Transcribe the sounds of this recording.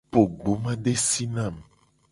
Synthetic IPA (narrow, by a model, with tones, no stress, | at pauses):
po˨ɡ͡bo˨˦mã˦ɖe˦si˦nã˦˨m